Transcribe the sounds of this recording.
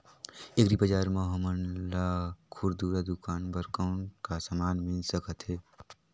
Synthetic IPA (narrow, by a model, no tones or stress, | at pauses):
ekɾibəd͡ʒaɾmeɦəmənlakʰuɾd̪uɾad̪ukanbəɾkaʊnkasamanminsəkət̪ɦe